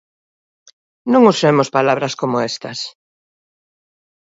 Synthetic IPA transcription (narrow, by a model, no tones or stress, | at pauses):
nõŋʊsemʊspalaβɾɐskomʊest̪ɐs